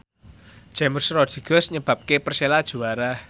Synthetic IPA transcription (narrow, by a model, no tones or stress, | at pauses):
ʒ̥ɛmərsɾɔd̪̥iɡ̥ɔsɲəb̥ä̤p̚kepərselad̥ʒ̥ṳaɾa